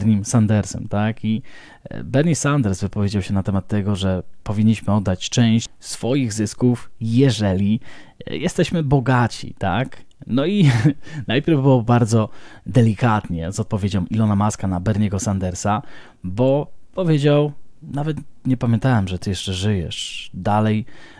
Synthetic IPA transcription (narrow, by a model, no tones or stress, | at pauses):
ɾɲimsand̪ɛɾsɛ̰mt̪aki | bɛɾɲisand̪ɛɾsvɘpɔvʲjed͡ʑawɕɛnat̪ɛmat̪ːɛɡɔʐɛpɔvʲiɲːiɕmɘɔd̪ːat͡ɕt͡ʂɛ̃w̃ɕ | sfɔjiɣzɘskufjɛʐɛlʲijʔɛst̪ɛɕmɘbɔɡat͡ɕḭt̪a̰k | nɔinajpʲjɛɾvbɨwɔbaɾd̪zɔd̪ɛlʲikat̪ɲɛzɔt̪̚pɔvʲjed͡ʑɔw̃ʔilɔnamaskanabɛɾɲɛɡɔsand̪ɛɾsa | bɔpɔvʲjed͡ʑawnavɛt̪ɲɛpamʲjɛ̃nt̪awɛmʐɛt̪ɘjɛʂt͡ʂɛʐɘjɛʂd̪alɛj